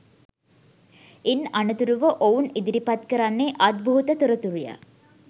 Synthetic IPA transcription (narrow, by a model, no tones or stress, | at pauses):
inɐnut̪uɾuʋəʔounid̪iɾipat̪kəɾanːeʔad̪̚bʱuɦut̪ət̪uɾɐt̪uɾuja̰